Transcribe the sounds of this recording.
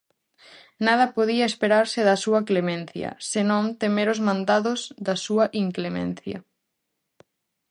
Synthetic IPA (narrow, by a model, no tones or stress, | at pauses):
nað̞ɐpoðiɐespeɾaɾsɪðɐsuɐklemẽnθjɐ̰senõŋt̪emeɾozmãnd̪aðozðɐsuɐʔiŋklemḛ̃n̟θjɐ̰